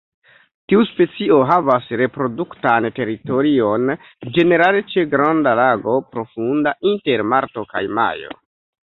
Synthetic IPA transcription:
tiuspe̞t͡sio̞ɦavasɾe̞pɾo̞duktante̞ɾito̞ɾio̞n | d͡ʒe̞ne̞ɾalet͡ʃe̞ɡɾandalaɡo̞pɾo̞fundainte̞ɾmaɾto̞ka̰jma̰jo̞̰

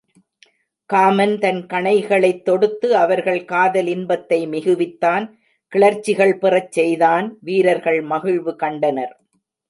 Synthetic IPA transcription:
kaːmɐnt̪ɐnkɐɳɐɪɣɐɭɐɪt̪ːɔɽɯt̪ːɯɐʋɐɾɣɐɭkaːðɐlɪnbɐt̪ːɐɪmɪɣɯʋɪt̪ːaːn | kɪɭɐɾt͡ʃːɪɣɐɭpɪrɐt͡ʃsɛjðaːnʋiːɾɐɾɣɐɭmɐɣɪɻʋɯkɐɳɖɐnɐɾ

